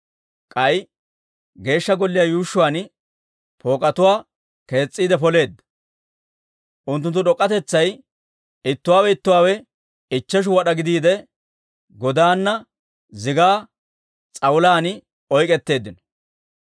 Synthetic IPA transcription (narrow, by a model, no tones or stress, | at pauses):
kʼɐj | ɡe̞ːʃːɐɡɔlːɪjaːjuːʃːʊwaːn | pʰo̞ːkʼɐt̪ʊwaː | ke̞ːt͡sʼːiːd̪ɛpɔle̞ːd̪ːɐ̥ | ʔʊnt̪ːʊnt̪ːʊɗɔkʼːɐt̪ɛt͡sːɐj | ɪt̪ːʊwaːwɛɪt̪ːʊwaːwɛ | ɪt͡ʃːɛʃ̬ʊwɐɗɐɡɪd̪iːd̪ɛ | ɡɔd̪aːnːɐ | zɪɡaː | t͡sʼɐwʊlaːnɪ | ɔjkʼɛt̪ːe̞ːd̪ːɪnɔ̥